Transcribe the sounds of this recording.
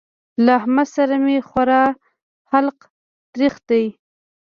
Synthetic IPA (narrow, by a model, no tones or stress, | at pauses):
lahmasaɾamexwaɾɑ | xalq | t̪ɾixt̪aj